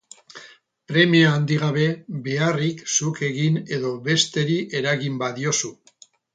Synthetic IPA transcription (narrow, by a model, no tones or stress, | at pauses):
pɾe̞miaːnd̪iɣ̞aβe̞be̞ariksuke̞ɣine̞ðo̞βe̞st̪e̞ɾiʔe̞ɾaɣimbaðio̞su